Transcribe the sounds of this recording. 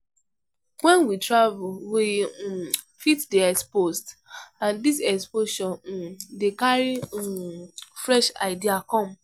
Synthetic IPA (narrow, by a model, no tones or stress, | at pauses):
wɛ̃nwitɹavulwi | fitdiɛkspostãndisɛkspoʃɔ̃ndekaɹi | fɹɛʃaɪdiakɔ̃m